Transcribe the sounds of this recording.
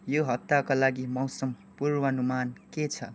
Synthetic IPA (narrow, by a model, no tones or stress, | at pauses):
joɦʌt̪ːakolaɡimʌwsʌmpurwʌnumanket͡sʰʌ